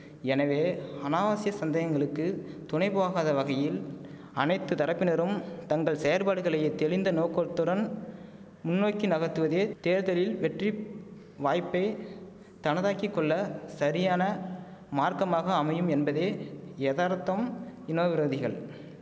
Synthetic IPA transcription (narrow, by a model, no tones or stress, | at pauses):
ɛnɐʋeːɐnaːʋaːsɪjɐsɐnd̪ɐjɐŋɡɐɭɯkːɯt̪ʊɳɐɪpɯʋaːɣaːðɐʋɐɣɐjɪl | ɐnɐɪt̪ːɯt̪ɐɾɐpːɪnɐɾɯmt̪ɐŋɡɐɭsɛjɐɾpaːɽɯɣɐɭɐjet̪ɛɭɪnd̪ɐnoːkːɔɭt̪ɯɽɐn | mʊnːoːkːinɐɣɐt̪ːɯʋɐðeːt̪eːɾðɐlɪlʋɛʈri | ʋaːjpːɐɪ | t̪ɐnɐðaːkikːɔɭːɐsɐɾɪjaːnɐmaːɾkɐmaːɣɐːmɐjɯmɛnbɐðeːeːðaːɾt̪ːɐmɪnoːʋɪɾoːðɪɣɐɭ